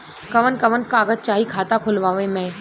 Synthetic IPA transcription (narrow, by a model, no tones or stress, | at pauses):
kɐʋənkɐʋənkaːɡət̪̚t͡ʃaːɦikʰaːt̪akʰʊlʋaːʋẽmɛ̃ː